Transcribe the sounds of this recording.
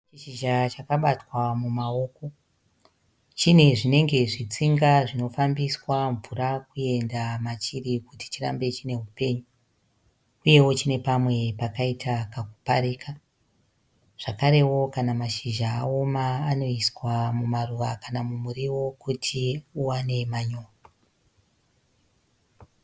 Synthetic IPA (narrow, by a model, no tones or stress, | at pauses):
t͡ʃiʃiʒat͡ʃakaɓatwamumao̞ːko̞ | t͡ʃine̞ʐine̞ŋɡe̞ʐit͡siŋɡaʐino̞fambiswaɱvuɾakue̞ndamat͡ʃirikuti̥t͡ʃira̰mbe̞t͡ʃine̞ɦupe̞ːɲu | uje̞wo̞t͡ʃine̞pamwe̞pakaitʰakakupa̰ɾiːkʰa | ʐ̥akaɾe̞wo̞kanamaʃiʒaːo̞maːno̞iswamumaruʋakanamumuriwo̞kutʰiuwane̞maɲo̞ːra